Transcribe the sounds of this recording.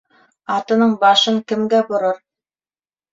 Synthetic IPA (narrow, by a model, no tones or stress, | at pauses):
ɑt̪ɤ̆nɤɴbɑʃɤŋkɘ̆mɡæbŏɾɤɾ